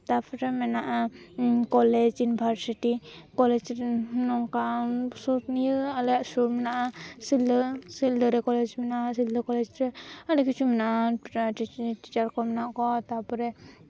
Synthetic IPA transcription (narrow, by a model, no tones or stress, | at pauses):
t̪apʰɔɾɛmɛnaʔakɔlɛd͡ʒjiunibʱaɾsiʈikɔlɛd͡ʒɾɛnɔŋkasɔt̪nijəalɛjaʔsumɛnaʔasilːəsildəɾɛkɔlɛd͡ʒmɛnaʔasildəkɔlɛd͡ʒɾɛalikit͡ʃʰumɛnaʔaiʈi̥t͡ʃaɾkɔmɛnaʔkɔt̪apɔɾɛ